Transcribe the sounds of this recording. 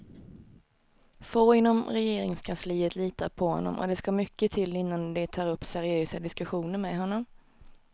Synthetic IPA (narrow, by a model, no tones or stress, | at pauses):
foːɪnːɔmɾɛjeːɾɪŋskʰansliːət̪liːt̪aɾpʰɔhɔ̰nːɔ̰mʔɔ̰d̪ɛskamʏkːət̪ʰɪlːɪnːand̪ɛt̪ʰɑːɾɵpːsæɾɪøːsad̪ɪskɵɧuːnəɾmɛɦɔnːɔm